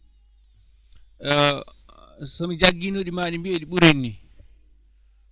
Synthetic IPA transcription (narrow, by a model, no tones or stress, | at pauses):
sɔmid͡ʒaɡːinoɗimaːɗimbieɗiɓuɾenːi